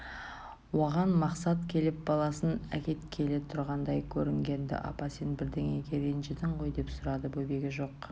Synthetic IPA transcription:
wo̞ʁɑnmɑqsɑt̪kʲʰe̞lɪp̚bɑlˠɑsənækʲe̞t̪kʲʰe̞let̪ʰʊɾʁɑnd̪ɑjkʲʰɵɾɪŋɡʲe̞nd̪ɪ̰ʔɑ̰pɑsenbɪɾd̪eŋe̞ɡʲe̞ɾenʒed̪ɪɴʁo̞jd̪e̞psʊɾɑd̪əbɵbe̞ɡʲɪʒo̞q

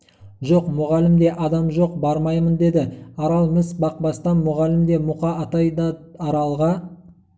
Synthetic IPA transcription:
ʒo̞qmʊʁɑlɪmd̪e̞ʔɑd̪ɑmʒo̞qbɑɾmɑjmənd̪e̞d̪ɪɑɾɑlˠmɪsbɑq̚bɑst̪ɑnmʊʁɑlɪmd̪e̞mʊqɑɑt̪ɑjd̪ɑɑɾɑlˠʁɑ

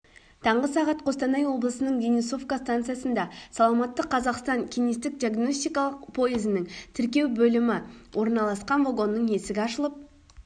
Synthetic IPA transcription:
t̪ʰɑɴʁəsɑʁɑt̪qʰo̞st̪ɑnɑjwo̞blˠəsənəɴvʲeniso̞fkast̪ant̪sɨjasənd̪ɑsɑlˠɑmɑt̪ːəqʰːɑzɑqst̪ɑŋkʲʰijnist̪ɪk̚d̪ʲiaɡno̞sʲt̪ijkɑlˠəq̚pʰo̞jezɪnɪŋt̪ʰɪɾkʲe̞wbɵlɪmɪwʔo̞ɾnɑlˠɑsqɑnvoɡo̞nːəɴe̞sɪɡʲɪɑʃəlˠəp̚

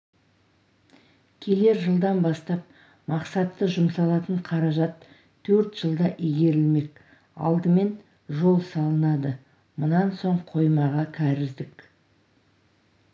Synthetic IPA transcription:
kʲʰe̞le̞ɾʒəlˠd̪ɑnbɑst̪ɑp̚ | mɑqsɑt̪ːəʒʊmsɑlˠɑt̪əɴqʰɑɾɑʒɑt̪ʰː | ɵɾt̪ʒ̥əlˠd̪ɑʔijɡʲe̞ɾɪlme̞k̚ | ɑ̰lˠd̪əme̞n | ʒo̞lˠsɑlˠənɑd̪ə | mʊnɑnso̞ɴqʰo̞jmɑʁɑkʲʰæɾɪzd̪ɪk

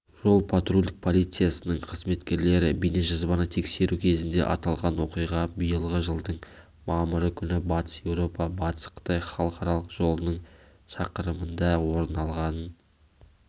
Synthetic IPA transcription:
ʒo̞lˠpʰat̪rulʲd̪ɪk̚pʰolˠijt̪sɨjasənəɴqʰəzme̞t̪kʲe̞ɾle̞ɾɪbijneʒɑzbɑnət̪ʰe̞kse̞ɾʔukʲʰe̞zɪnd̪e̞̰ʔɑ̰t̪ɑlˠʁɑnwo̞qijʁɑbijəlˠʁəʒəlˠd̪əɴ | mɑməɾəkʲʰʏnɪbɑt̪ə̥sje̞wɾo̞pɑbɑt̪ə̥sqʰə̥t̪ɑjχɑlˠəqɑɾɑlˠəqʒ̥o̞lˠənəɴ | ʃɑqəɾəmənd̪ɑwo̞ɾnɑlˠʁɑnən

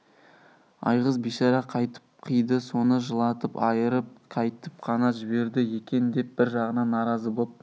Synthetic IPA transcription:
ɑ̰jʁəzbijʃɑɾɑqʰɑjt̪ə̥p̚qʰijd̪əso̞nəʒəlˠɑt̪əpɑjəɾəp̚qʰɑjt̪əp̚qʰɑnɑʒɪbe̞ɾd̪ɪje̞kʲe̞nd̪e̞p̚b̥ɪɾʒɑʁənɑnːɑɾɑzəbop̚

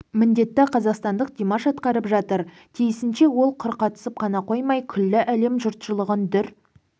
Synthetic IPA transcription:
mɪnd̪e̞t̪ːɪqʰɑzɑqst̪ɑnd̪əq̚d̪̥ʲimɑʃɑt̪qɑɾəpʒɑt̪əɾ | t̪ʰijɪsɪnʃe̞wo̞lˠqʰʊɾqɑt̪ə̥səp̚qʰɑnɑqo̞jmɑjkʲʰʏlːɪʔæle̞mʒʊɾt̪ʃəlˠəʁənd̪ʏɾ

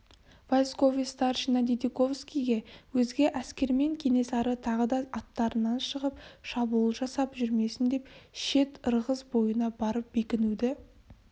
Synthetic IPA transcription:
vosko̞vist̪ɑrʃinɑd̪ʲid̪iko̞fskʲijɡʲe̞wɵzɡʲeʔæskʲe̞ɾme̞ŋkʲʰe̞ne̞sɑɾət̪ʰɑʁəd̪ɑʔɑt̪ːɑɾənɑnʃəʁəpʃɑbulˠʒɑsɑpʒʏɾme̞sɪnd̪e̞pʃe̞t̪əɾʁəzbo̞jənɑbɑɾəp̚be̞kʲɪnud̪ɪ

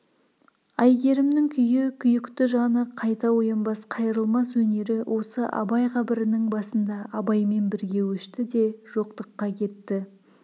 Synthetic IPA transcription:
ɑjɡʲe̞ɾɪmnɪŋkʲʰʏjɪkʲʰʏjɪkt̪ɪʒɑnəqʰɑjt̪ɑwo̞jənbɑsqʰɑjɾəlˠmɑswɵne̞ɾɪwʔo̞səʔɑ̰bɑjqʰɑbɪɾɪnɪŋbɑsənd̪ɑʔɑbɑjme̞nbɪɾɡʲe̞wɵʃt̪ɪd̪e̞ʒ̥o̞qt̪əqːɑkʲʰe̞t̪ːɪ

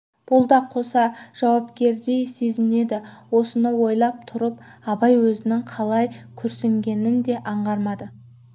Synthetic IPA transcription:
b̥ʊlˠd̪ɑqʰo̞sɑʒ̥ɑwɑpkʲe̞ɾd̪e̞jse̞zɪne̞d̪ɪwo̞sənəwo̞jlˠɑp̚t̪ʰʊɾəpɑbɑjwɵzɪnɪŋqʰɑlˠɑjkʲʰɵɾseŋɡʲe̞nɪnd̪e̞ʔɑɴʁɑɾmɑd̪ə

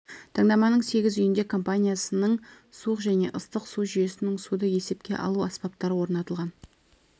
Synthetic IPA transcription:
t̪ʰəɴd̪ɑmɑnəɴse̞ɡʲɪzʏjɪnd̪e̞kʰo̞mpanʲijasənəɴ | suəqʒæne̞ʔəst̪əqsuʒʏje̞sɪnɪŋsud̪əje̞se̞pkʲe̞ʔɑ̰lˠuɑspɑp̚t̪ɑɾəwo̞ɾnɑt̪əlˠʁɑn

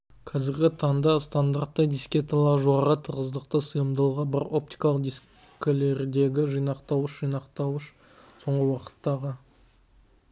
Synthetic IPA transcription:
kʰɑzɪɾɡʲɪt̪ʰɑnd̪ɑst̪and̪art̪ːəd̪ijskʲe̞t̪alˠɑɾʒuɑɾət̪ʰəɾʁəzd̪əqt̪əsəjəmd̪əlˠʁɑbɑɾo̞p̚t̪ijkɑlˠəq̚d̪is | kʲɪle̞ɾd̪e̞ɡʲɪʒijnɑqt̪ɑwəʃʒijnɑqt̪ɑwəʃ | so̞ɴʁəwɑqə̥t̪ːɑʁə

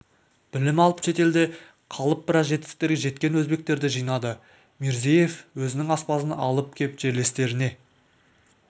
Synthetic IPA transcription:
b̥ɪlɪmɑlˠəpʃe̞t̪e̞ld̪e̞ | qʰɑlˠəp̚b̥ɪɾɑsʒe̞t̪ɪ̥k̚t̪e̞ɾɡʲeʒe̞t̪̚kʲe̞nwɵzbe̞k̚t̪e̞ɾd̪ɪʒijnɑd̪ə | me̞ɾzeje̞fwɵzɪnɪŋɑspɑsənɑ̰lˠəp̚kʲʰe̞pʒe̞ɾle̞st̪e̞ɾɪne̞

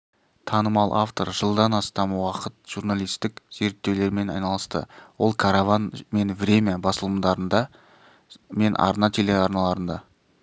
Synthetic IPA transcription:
t̪ʰɑnəmɑlˠʔaft̪o̞ɾʒəlˠd̪ɑnɑst̪ɑmwɑqət̪ʒ̥uɾnalˠijst̪ɪkz̥e̞ɾt̪ːe̞wle̞ɾme̞nɑ̰jnɑlˠəst̪ə̰wo̞lˠkʰaɾavanme̞nvɾʲe̞mʲeebɑsəlˠəmd̪ɑɾənd̪ɑ | me̞nʔɑ̰ɾnɑt̪ʰe̞le̞ɑɾnɑlˠɑɾənd̪ɑ

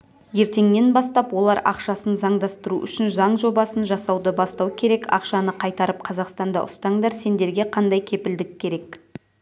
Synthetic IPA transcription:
je̞ɾt̪e̞ŋne̞nbɑst̪ɑpwo̞lˠɑɾʔɑ̰qʃɑsənzɑɴd̪ɑst̪əɾuʔʏ̰ʃɪnʒɑɴʒo̞bɑsənʒɑsɑwd̪əbɑst̪ɑwkʲʰe̞ɾe̞kɑ̰qʃɑnəqʰɑjt̪ɑɾəp̚qʰɑzɑqst̪ɑnd̪ɑ̰ʔʊst̪ɑɴd̪ɑɾse̞nd̪e̞ɾɡʲe̞qʰɑnd̪ɑjkʲʰe̞pɪld̪ɪkʰʲːe̞ɾe̞k

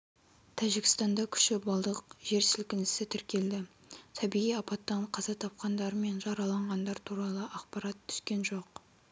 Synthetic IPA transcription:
t̪ʰæʒɪkʲɪ̥st̪ɑnd̪ɑkʲʰʏ̥ʃɪbɑlˠd̪əq̚ʒ̥e̞ɾsɪlkʲɪnɪsɪt̪ʰɪɾkʲe̞ld̪ɪ | t̪ʰɑbiʁijɑpɑt̪ːəɴqʰɑzɑt̪ʰɑp̚qɑnd̪ɑɾəme̞nʒɑɾɑlˠɑɴʁɑnd̪ɑɾt̪ʰuɾɑlˠəʔɑqpɑɾɑt̪ʰːʏ̥skʲe̞nʒo̞q

